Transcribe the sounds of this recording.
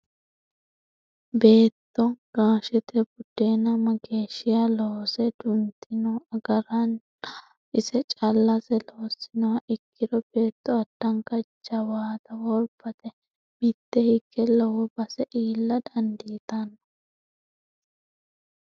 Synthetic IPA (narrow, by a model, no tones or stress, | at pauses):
be̞ːt̪ːɔɡ̥aːʃɛt̪ɛbʊd̪̥eːnɐmɐɡe̞ːʃːɪjaloːsɛd̪ʊnt̪ːɪnɔɐɡɐɾɐn | ʔɪsɛt͡ʃʼɐlːɐsɛloːsɪnɐwɐʔɪkːɪd̪ɔbe̞ːt̪ːɔɐd̪̥ːɐŋkɐt͡ʃːɐwaːt̪ɐwɔɾbɐt̪ɛ | mɪt̪ːɛhɪɡːɛlɐwɔbɐsɛʔiːlːɐd̪ɐnd̪ɪt̪ɐnːɐ